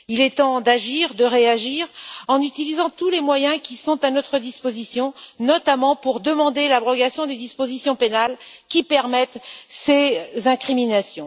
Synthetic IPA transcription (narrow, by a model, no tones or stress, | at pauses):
ilɛt̪ɑ̃d̪aʒiʁd̪əʁeaʒiʁɑ̃nyt̪ilizɑ̃t̪ulemwajɛ̃kʲisɔ̃t̪anɔt̪χəd̪ispozisjɔ̃nɔt̪amɑ̃puʁd̪əmɑ̃d̪elabʁɔɡasjɔ̃d̪ed̪ispozisjɔ̃penalkʲipɛʁmɛt̪sezɛ̃kχiminasjɔ̃